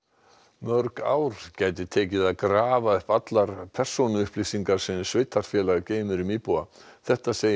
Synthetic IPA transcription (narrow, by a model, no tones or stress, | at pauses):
mœɾka̰ːwɾ̥caːjt̪̬ɪt̪ʰɛːcɪðaðkɾaːvaʏhpat̪laɾ̥pʰɛr̥sownʏʏhplisiŋkaɾ̥sɛnsvɪjt̪ʰːaɾ̥fjɛːlaɣceːjmʏɾʏmiːpuaθɛht̪aseːj